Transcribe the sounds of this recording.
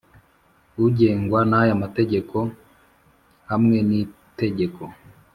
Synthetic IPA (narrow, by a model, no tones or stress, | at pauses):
uɟe̞ːŋɡwanahajamate̞ɟe̞ko̞ | hamŋe̞ni | te̞ɟe̞ko